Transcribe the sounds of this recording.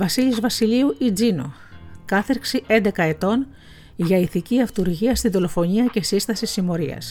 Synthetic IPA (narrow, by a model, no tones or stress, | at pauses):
vɐsiʎizvɐsiliuʔid͡zino̰ | kɐθeɾksiend̪e̞kɐe̞t̪o̞n | ʝɐiθiciɐft̪uɾʝiɐst̪inðo̞lo̞fo̞ɲiɐce̞sist̪ɐsisimo̞ɾiɐ̰s